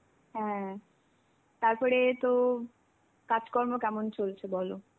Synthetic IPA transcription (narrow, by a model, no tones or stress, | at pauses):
ɦɛ̃ | t̪aɾpɔɾet̪o | kad͡ʑkɔɾmokɛmont͡ɕolt͡ɕʰebɔlo